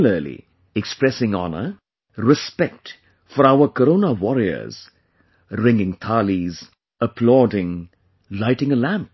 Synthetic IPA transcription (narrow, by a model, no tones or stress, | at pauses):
l̩əlḭ | ɛkspɾɛsɪ̃ŋɑ̰nə̰ | ɾɪspɛk̚t | fɔɾaʊəkəɾõʊnəwɔɾiə̰˞z̥ | ɾɪ̃ŋɪ̃ŋt̪ʰɑliz | əpʰlɔːdɪ̃ŋ | laɪʈɪ̃ŋəlæ̃mp̚